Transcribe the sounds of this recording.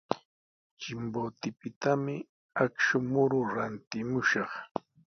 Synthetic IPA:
t͡ʃɪmbot̪ɪpɪt̪amɪ | akʃʊmʊɾʊɾant̪ɪmʊʃɑχ

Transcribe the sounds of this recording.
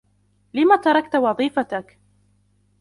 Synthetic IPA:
lɪmat̪ɑɾˤɑkt̪wɑðˤiːfat̪ak

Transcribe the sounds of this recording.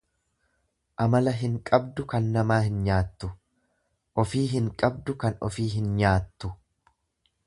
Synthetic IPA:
ʔɐmɐlɐɦɪŋkʼɐbd̪ʊkɐnːɐmaːhɪnɲaːt̪ːʊ | ʔɔfiːɦɪŋkʼɐb̚d̪ʊkɐnɔ̰fiːɦɪnɲaːt̪ːʊ

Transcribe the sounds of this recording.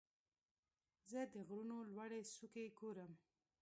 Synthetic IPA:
zəd̪əɣɾunolwaɽesukeɡoɾəm

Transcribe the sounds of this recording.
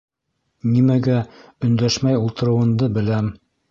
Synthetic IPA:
nimæɡæɵ̆nd̪æʃmæjulˠt̪ɤ̆ɾɤ̆wɤ̆nd̪ɤbɘ̆læm

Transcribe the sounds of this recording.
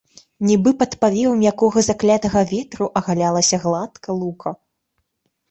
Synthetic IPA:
nʲibɨpɐt̪pavʲɛwmjakɔɣɐzaklʲat̪ɐɣɐvʲɛt̪ɾuʔɐɣalʲalˠɐsʲɐɣlˠat̪kʰɐlˠukɐ

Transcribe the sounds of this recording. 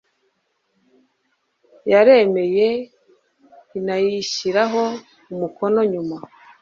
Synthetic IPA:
jaɾe̞me̞je | inajiʃiɾaɦo̞ | umuko̞no̞ɲuma

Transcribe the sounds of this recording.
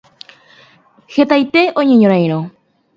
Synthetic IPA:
xet̪ajt̪e̞ʔõɲẽɲõɾ̃ãj̃ɾ̃õ

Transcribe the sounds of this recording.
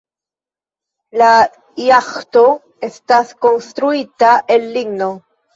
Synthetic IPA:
la | jaxt̪o | est̪aθkonst̪ɾuit̪aʔelːiɡno

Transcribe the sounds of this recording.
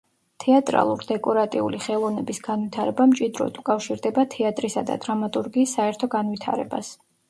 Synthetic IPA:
t̪ʰɛat̪ʼɾa̰lˠuɾd̪ɛkʼɔɾat̪ʼiṵliχɛlˠɔvnɛbisɡ̥anwit̪ʰaɾɛbamt͡ʃʼid̪ɾɔ̰d̪ukʼafʃiɾd̪ɛbat̪ʰɛat̪ʼɾisad̪a̰d̪ɾamat̪ʼuɾɡiːsːaɛɾt̪ʰɔɡanwit̪ʰa̰ɾɛ̰ba̰s

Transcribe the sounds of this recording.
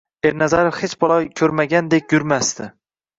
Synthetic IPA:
e̞ɾnazaɾofhet͡ʃbɒlˠɒjkʲʰɵɾmaɡʲand̪ekʲjʊɾmast̪ʰɪ

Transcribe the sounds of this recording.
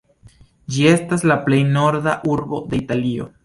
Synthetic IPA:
d͡ʒie̞staslaple̞jno̞ɾdaʔuɾbo̞d̪e̞italio̞̰

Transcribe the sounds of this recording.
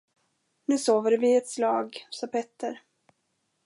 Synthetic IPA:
nʉ̟ːsoːvəɖvɪɛt̪slɑːɡsɑːpʰɛt̪ːəɾ

